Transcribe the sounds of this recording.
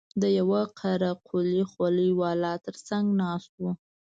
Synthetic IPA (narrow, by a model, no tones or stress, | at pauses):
d̪əjawaqʰaɾaqʰolixwaləjwɑlɑt̪əɾsaŋɡnɑst̪wu